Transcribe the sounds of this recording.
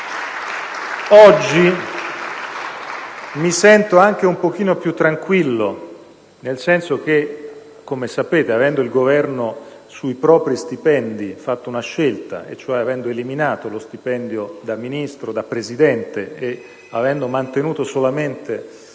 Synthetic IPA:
ɔd͡ʒːi | misɛnt̪oaŋk̟eumpok̟iːnopjut̪ːɾaŋkwilːo | nelsɛnsok̟e | kːomesapeːt̪eavɛnd̪oilɡovɛrno | suipɾɔːpɾist̪ipɛnd̪ifat̪ːounaʃːelt̪a̰ḛt͡ʃːoɛavɛnd̪oeliminaːt̪olost̪ipɛnd̪jod̪amːinist̪ɾod̪apːɾezid̪ɛnt̪eː | avɛnd̪omant̪enuːt̪osolament̪e

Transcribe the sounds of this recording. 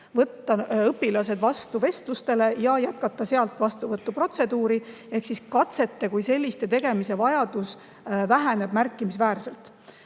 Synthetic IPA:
vɤt̪ːɑɤpːilɑs̬e̞d̪̥vɑst̪uve̞st̪lust̪e̞le̞jɑjæt̪̚kɑt̪ˑːɑse̞ɑlt̪ˑvɑst̪uvɤt̪ːupro̞t̪se̞d̪uːɾi | e̞hksiskɑt̪se̞t̪ːe̞kujse̞lʲːist̪e̞t̪e̞ɡ̥e̞mise̞vɑjɑd̪̥us | væɦæne̞b̥mærkːˑimisvæːrse̞lt̪ˑ

